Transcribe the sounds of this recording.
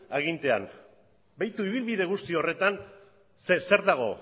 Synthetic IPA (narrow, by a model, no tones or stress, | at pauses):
aɣ̞int̪e̞a̰n | bajt̪uiβilβiðe̞ɣust̪io̞re̞t̪an | sese̞ɾd̪aɣ̞o̞̰